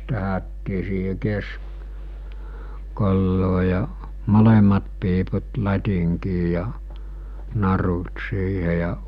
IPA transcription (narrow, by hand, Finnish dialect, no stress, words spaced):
tæhætːiː siːhe kesk kolːoː jɑ molemˑɑt piːput lɑtʲiŋkiː jɑ nɑrut siːhe jɑ